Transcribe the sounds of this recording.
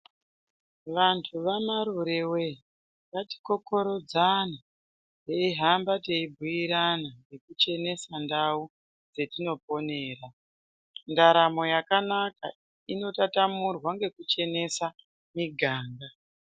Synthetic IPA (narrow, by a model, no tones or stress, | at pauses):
ʋantʰuʋamaɾuɾewe̞ | ʋati̥ko̞ko̞ɾo̞d͡zana | teiɦambateibʱuiɾanaje̞kut͡ʃe̞ne̞sandau | d͡ze̞tino̞p̚o̞ne̞ːɾa | ndaɾamo̞jakanaka | ino̞tatamurwaŋɡe̞kut͡ʃe̞ne̞sa | miɡʱaːŋɡa